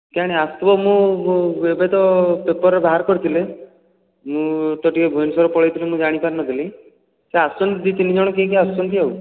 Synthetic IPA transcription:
kaɽ̃east̪ɔbɔmũ | ebed̪ɔpepɔɾebaɦaɾkɔɾit̪ʰile | mũt̪ɔʈikebʱujnsɔɾɔpɔɭɔjt̪ʰilemũd͡ʒaɽ̃ipaɾnɔd̪ʱili | seasɔnt̪id̪it̪inid͡ʒɔɽ̃ɔkek̬east͡ʃɔnt̪iau

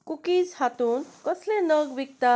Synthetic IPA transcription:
kukid͡zhat̪unkɔslenəɡbik̚t̪a

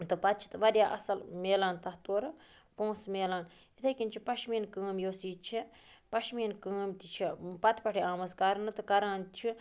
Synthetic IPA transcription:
t̪ɨpɐt̪̚t͡ʃʰi̥t̪ɨʋɐɾʲjaːʔɐ̰sɐlmeːlaːnt̪ɐht̪oːɾɨ | põːsmeːlaːn | it̪ʰɐkʲinʲt͡ʃʰipɐʃmiːnkəːmjoːsiːt͡ʃʰi | pɐʃmiːnkəːmt̪it͡ʃʰipɐt̪ʰpɐʈʰiãːmɐzkɐɾɐnɨt̪ɨkɐɾaːnt̪t͡ʃʰi

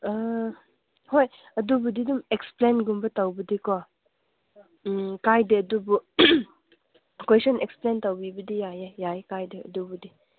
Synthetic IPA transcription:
hoj | ɐdubudidumeksplenɡumbɐtawbɐdikɔ | kajdeɐdubu | kwesɔneksplentawbibɐdijajejajkajdeɐ̰dubudi

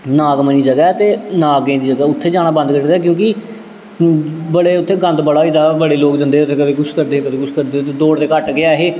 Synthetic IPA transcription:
naːɡməniːd͡ʒəɡaːt̪eːnaːɡẽːd̪iːd͡ʒəɡɛːʊt̪ʰːeːd͡ʒaːɽ̃aːbə̃nd̪kəɾd̪aːkjõːkɪ | bəɽeːʊt̪ʰːeːɡə̃nd̪bəɽaːid̪aːbəɽeːloːkd͡ʒə̃nd̪eːʊt̪ʰːeːkəbeːɡʊskəɾd̪eːkəbeːɡʊskəɾd̪eːt̪eːd̪oːɽd̪eːkəʈɡɪaːɦeː

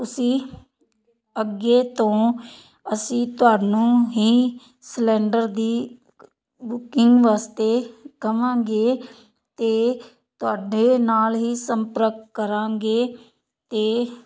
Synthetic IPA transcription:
ʊsĩː | əɡeːt̪õː | əsĩːt̪ʊaːnũːɦiː | slɛːɳɖəɾd̪iː | bʊkɪŋɡʋaːst̪eːkəmãːɡeː | t̪eː | t̪ʊaːɖeːnaːlɦiːsəmpəɾəkkəɾãːɡeː | t̪eː

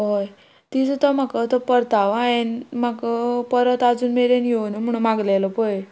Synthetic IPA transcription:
ɦoj | t̪it͡sət̪ɔmakət̪ɔpəɾt̪aʋaenmakəpəɾət̪ad͡zuːnmeɾenjenum̤əɽ̃unmãɡlaləpoe

